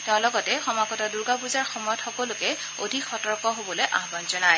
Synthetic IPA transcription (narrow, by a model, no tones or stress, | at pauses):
tɛʊ̃lɔɡɔtɛxɔmaɡɔtɔduɹɡapuzaɹxɔmɔjɔtxɔkɔlʊkɛ | odʱikxɔtɔɹkɔɦobɔlojʔaɦbɔnzɔnaj